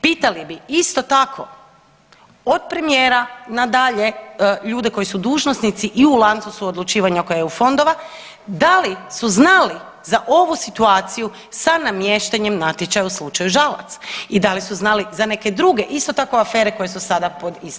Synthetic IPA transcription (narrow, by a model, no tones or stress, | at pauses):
piːt̪alibiist̪o̞t̪akʰo̞ | od̪̚pɾe̞mijeːɾanad̪aʎe̞ʎuːd̪eko̞jisud̪uːʒnosnit̪siʔiulˠant̪susuod̪lut͡ʃiːʋaɲako̞jajeufo̞nd̪o̞ʋa | d̪alisuznali | zaʔo̞ʋusit̪uaːt̪siju | sanamje̞ʃt̪aɲe̞mnat̪jet͡ʃajuslˠut͡ʃajuʒalˠa̰t̪sḁid̪alisuznalizane̞ke̞d̪ɾuɡe̞ʔist̪o̞t̪ako̞afe̞ːɾe̞ko̞jesusad̪apo̞d̪is